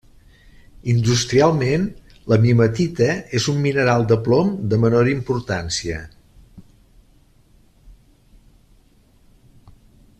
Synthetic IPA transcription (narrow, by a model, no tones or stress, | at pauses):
ind̪ust̪ɾialˠmen | ləmimət̪it̪əezumːinəɾalˠd̪əplomd̪əmənoɾimpuɾt̪ansiə̰